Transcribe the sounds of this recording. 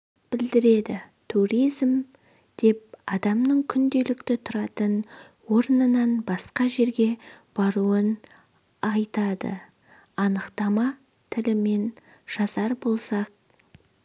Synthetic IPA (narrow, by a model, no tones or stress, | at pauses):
b̥ɪld̪ɪɾe̞d̪ɪ | t̪ʰuɾijzm | d̪̥e̞p̚ɑd̪ɑmnəɴkʲʰʏnd̪e̞lɪkt̪ɪt̪ʰʊɾɑt̪ən | wo̞ɾnənɑnbɑsqɑʒe̞ɾɡʲe̞b̥ɑɾuən | ɑjt̪ɑd̪ə̰ | ɑnəqt̪ɑmɑ | t̪ʰɪlɪme̞n | ʒ̥ɑsɑɾbo̞lˠsɑq̚